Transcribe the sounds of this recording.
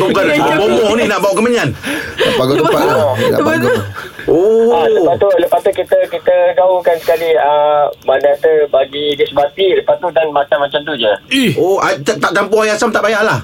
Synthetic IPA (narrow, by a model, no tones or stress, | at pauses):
ɡoɡanbbomɔhninaʔbawʔkəmaɲannaʔpaɡɔaaɔnaaaɔoaləbat̪uləpat̪ukit̪əkit̪əɡaukansə̥kaliəmanat̪əbaɡidiəsəbat̪iləpat̪udanmat̪anmat͡ʃamt̪ud͡ʒəioat̪aʔt̪aʔt̪ampohajasamt̪aʔbajaʔlah